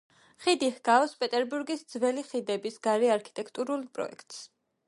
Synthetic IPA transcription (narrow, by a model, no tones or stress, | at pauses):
χid̪ihɡ̥aɔspʼɛt̪ʼɛɾbuɾɡisd̪zvɛliχid̪ɛbisɡaɾiaɾkʰi̥t̪ʼɛkʰt̪ʼuɾulˠpʼɾɔ̰ɛ̰kʰt̪ʼs